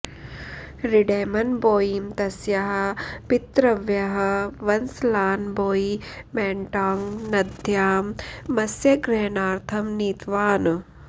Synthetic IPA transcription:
ɾiɖeːmɐnboːjimt̪ɐsjɐɦɐ̆pit̪ɾɐʋjɐɦɐ̆ʋɐnslaːnboːi | mɛːɳʈaːŋnɐd̪ʱjaːmːɐsjɐɡɾeːnaːɾt̪ʰɐmniːt̪ʋaːnu

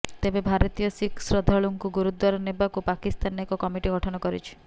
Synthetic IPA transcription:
t̪ebebʱaɾɔt̪ijɔsiksɾɔd̪ʱɔɭuŋkuɡuɾud̪waɾɔnebakupakist̪anekɔkɔmiʈiɡɔʈʰɔnɔkɔɾit͡ʃʰi̥

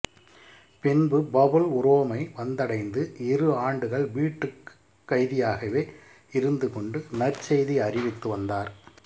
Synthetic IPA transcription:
pɪnbɯbɐbɐlʊɾoːmɐɪʋɐnd̪ɐɽɐɪnd̪ɯʔɪrɯaːɳɖɯɣɐɭʋiːʈːɯk | kːɐɪðɪjaːɣɐʋeː | ɪɾɯnd̪ɯkɔɳɖɯnɐrt͡ʃɛjðiɐrɪʋɪt̪ːɯʋɐnd̪aːɾ

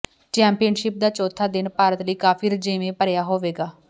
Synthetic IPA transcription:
t͡ʃɛ̃ːmpijənʃɪp̚d̪aːt͡ʃɔːt̪ʰːaːd̪ɪnpaːɾət̪ləiːkaːpʰiːɾd͡ʒɪːʋẽːpəɾjaːɦoːʋeːɡaː

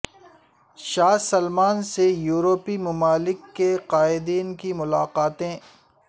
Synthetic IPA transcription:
ʃaːsɐlmaːnsejuːɾoːpimʊmaːlɪkːeqaːɪd̪iːnkimʊlaːqaːt̪ẽː

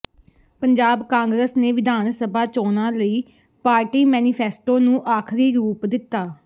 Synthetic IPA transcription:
pəɲd͡ʒaːbkãːŋɡɾəsneːʋɪd̪ʱaːnsəbaːt͡ʃoːnãːləiː | paːɾʈiːmɛːnɪpʰɛːsʈoːnũːʔaːkʰɾiːɾuːpd̪ɪt̪ːaː

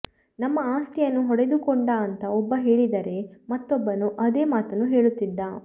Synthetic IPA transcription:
nɐmːɐaːst̪ʰijɐnːuɦɔɽed̪ukɔɳɖaɐnt̪ɐɔbːɐɦe̞ːɭid̪ɐɾe̞mɐt̪ːɔbːɐnuʔɐd̪e̞ːmaːt̪ɐnːuɦe̞ːɭut̪ːid̪ːaː

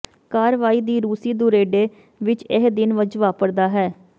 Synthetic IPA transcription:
kaːɾʋaːiːd̪iːɾuːsiːd̪ʊɾeːɖeː | ʋɪt͡ʃɪɦd̪ɪnʋəd͡ʒʋaːpəɾd̪aːɦɛː

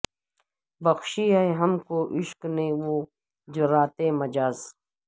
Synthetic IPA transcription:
bɐxʃiːajɦɐmkoʔiʃknewoː | d͡ʒɐɾaːt̪eːmɐd͡ʒaːz

